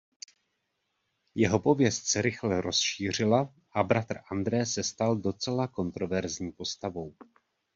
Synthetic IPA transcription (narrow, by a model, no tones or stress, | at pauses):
jɛɦo̞po̞vjɛst̪sɛɾɪxlɛɾʔo̞sʃiːr̝ɪla | ʔabɾat̪rʔand̪ɾɛːsɛst̪aldo̞t͡sɛlako̞nt̪ɾo̞vɛɾzɲiːpo̞st̪avo̞w